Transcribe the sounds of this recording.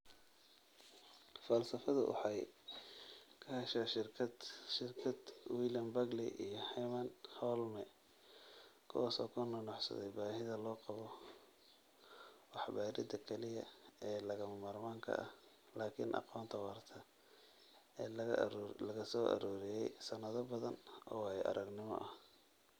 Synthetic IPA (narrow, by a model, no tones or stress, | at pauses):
fɐlsɐfɐðɐʔʊ̰ħɑj | kʰɐhɐʃɐʃɪrʰʃɪrkʰɐd̪wiːljɐmbɐɡlḭʔijɔhɛmɐnhɔlmɛ | kʰʊwaːsɔːkʰʊnɔnɔʕsɐ̰ðɛ̰jbaːɦɪðɐlɔːqɑβɔ | wɑħbaːɾɪd̪ɐkʰɛlɪjɐ̰ɛːlɐɣɐmɐmɐrmaːŋkʰɐ̰ʔɐh | laːkʰɪ̰nʔɑ̰qɔːnt̪ʰɐwɑrt̪ʰɐ | ɛːlɐɣɐsɔːʔɐ̰ɾuːɾɪjɛjsɐnɐðɐbɐðɐnʔɔːwhɛʔɐ̰ɾʔɐɡnɪmɔ̰ʔɐh